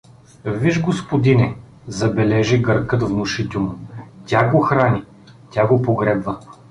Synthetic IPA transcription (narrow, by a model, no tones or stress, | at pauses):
viʒɡospod̪inɛ | zɐbɛlɛʒiɡəɾkɤt̪vnʊʃit̪ʲɛmʊt̪ʲaɡoxɾanʲi | t̪ʲaɡopoɡɾɛbvɐ